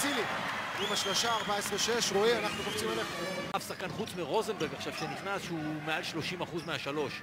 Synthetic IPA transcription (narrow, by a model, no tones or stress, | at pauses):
siliimaʃlaʃaːʁbaesʁeʃe̞ʃʁoimanaχnukoft͡simeleχafsaχkanχut͡smiʁo̞zembeʁɡaχʃav̥ʃeniχnasʃeumealʃlo̞ʃimaχuzmeaʃalo̞ʃ